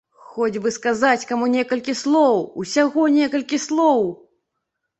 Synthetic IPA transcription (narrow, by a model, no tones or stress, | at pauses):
xɔd͡zʲbɨskazat͡sʲkamunʲɛkɐlʲkʲislˠɔwusʲaɣɔnʲɛkɐlʲkʲislˠɔw